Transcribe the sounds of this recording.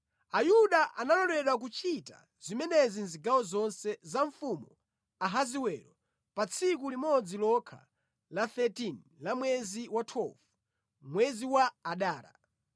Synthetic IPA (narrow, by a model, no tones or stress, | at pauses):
ajuɗaʔanalɔɾɛɗwak̬ut͡ʃʰita̰ | z̥imɛnɛzinziɡawɔzɔnsɛzaɱfumɔ | aɦaziwɛɾɔ | pat͡sʰik̬ulimɔd͡zilɔkʰa̰ | laθɛtin | lamwɛziwatʰwɛlfu | mwɛziwaːɗaːɾa̰